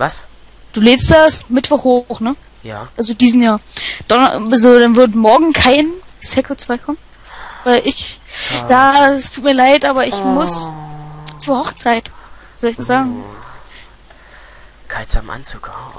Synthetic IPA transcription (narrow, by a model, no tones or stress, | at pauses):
vas | d̥uːleːstd̥asmɪtv̥ɔχhoːχnə | jaːʔalzodiːzn̩jaːɐd̥ɔnalzodanvɪɐtmɔɐɡŋ̩kʰaɪnsɛkʰot͡sv̥aɪkʰɔmən | vaɪlʔɪçjaːɛstʰuːtmiːɐlaɪtʔaːbɐɪɪçmʊs | t͡suːɐhɔχt͡saɪtvizɔlɪçd̥asz̥aːɡŋ̩ | kʰaɪzamʔa̰nt͡suːk